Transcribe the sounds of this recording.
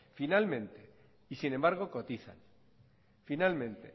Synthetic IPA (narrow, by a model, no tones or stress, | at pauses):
finalmẽ̞nt̪e | isinẽ̞mbaɾɣ̞o̞ko̞t̪iθa̰n | finalmẽ̞nt̪e̞̰